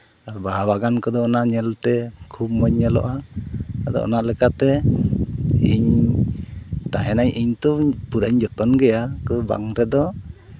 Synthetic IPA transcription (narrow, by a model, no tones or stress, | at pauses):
aɾbaɦabaɡankɔd̪ɔːnaʔɲɛlt̪ɛkʰub̚mɔɲɲɛlɔ̰ʔaad̪ɔ̰ɔ̰naʔlɛkat̪ɛ | iɲ | t̪aɦɛnaɲʔiɲt̪ɔpuɾaɲd͡ʒɔt̪ɔnɡɛjakɔba̰ŋɾɛd̪ɔ